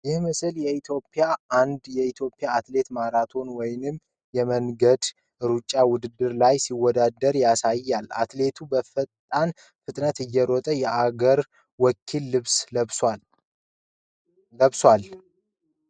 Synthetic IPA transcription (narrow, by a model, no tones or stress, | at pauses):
jɪhmɨsɨljɛit̪ʰjo̞pʼːɪjaʔand̪jɛit̪ʰjo̞pʼːɪjaːt̪le̞t̪maɾat̪ʰo̞nwɔjnɨm | jɛməŋɡəd̪ | ɾut͡ʃʼːawʊd̪ɨd̪ːɨɾlajsiwːɔd̪ad̪əɾjasajːalːa̰t̪le̞t̪ʰubəfət̪ʼːan | fɨt̪ʼnət̪ɨjːɛɾɔt̪ʼəjɛʔaɡəɾ | wɔkʰːilːɨβs | əβswal